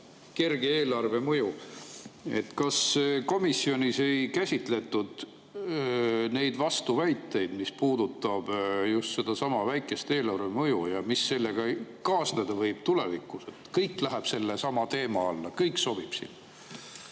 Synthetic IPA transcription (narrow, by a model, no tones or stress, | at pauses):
ke̞rɡeeːlɑrve̞mɤju | e̞̰t̪ːkɑsko̞misːio̞nʲise̞jkæsʲit̪ˑle̞t̪ːˑud̪̥ | ne̞jd̪vɑst̪uvæjt̪ːˑe̞jd̪̥mispuːd̪ut̪ːˑɑb̥just̪se̞d̪̥ɑsɑmɑvæjkːˑe̞st̪e̞ːlɑrvemɤjujɑmisːe̞lːeɡ̥ɑkɑːsned̪̥ɑvɤjb̥t̪ulevikːˑuse̞t̪kɤjkˑlæɦæb̥se̞lːesɑmɑt̪e̞ːmɑɑlːɑkɤjkso̞b̥ib̥sḭn